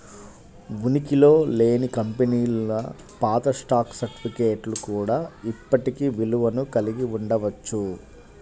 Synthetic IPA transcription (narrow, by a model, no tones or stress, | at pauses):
ʋunikilo̞ːle̞ːnikɐmpeniːlɐ | paːt̪ɐsʈaːksɐɾʈi̥pʰike̞ːʈlukuːɽaːipːɐʈikiʋiluʋɐnukɐliɡiuɳɖɐʋɐt͡ʃːu